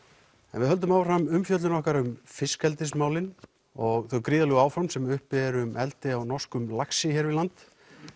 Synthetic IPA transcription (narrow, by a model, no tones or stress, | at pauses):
ɛnvɪðɦœlt̪ʏmawframʏmfjœt̪lɪnɔhkaɾʏmfɪskɛlt̪ɪsmaːwlɪn | ɔɣθowkɾiːðalɛɣaːwfɾawmsɛmʏhpɪɾʏmʔɛlt̪ɪawnɔr̥skʏmlaksɪçɛɾvɪlant̪